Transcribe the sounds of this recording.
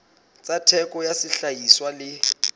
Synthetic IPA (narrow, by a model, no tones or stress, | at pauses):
t͡sʼatʰɛkʼɔjasɪɬajiswalɪ